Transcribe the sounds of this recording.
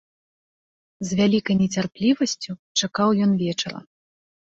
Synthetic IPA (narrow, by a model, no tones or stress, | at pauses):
zʲvʲalʲikɐjnʲɛt͡sʲarplʲivɐsʲt͡sʲut͡ʂakawjɔnvʲɛt͡ʂɐɾɐ̰